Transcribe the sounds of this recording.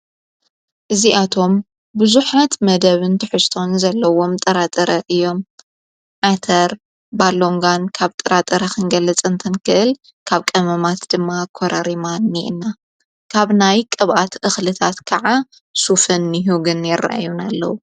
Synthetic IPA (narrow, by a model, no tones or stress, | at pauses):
ʔɨziʔat̪ʰo̞m | bɨzuħat̪mɐd̪ɐβɨnt̪ʰɨħɨst̪ʰo̞nzɐlːɐwo̞mt̪ʼɐɾat̪ʼɐɾɐʔɨjːo̞m | ʕat̪ʰɐɾ | balo̞ŋɡankʰaβt̪ʼɨɾat̪ʼɐɾɐxʰɨnɡɐlːɐt͡sʼɨnt̪ʰɐnkʰɨʔɨl | kʰaβkʼɐmɐmat̪d̪ɨmːakʰoɾɐɾimanːiʔɨ̰nːa | kʰaβnajkʼɐβʔat̪ʔɨxlɨt̪ʰat̪kʰɐʕa | sufɨnːɨɦuɡɨnjɪrːa̰ʔa̰junalːɐ̰wu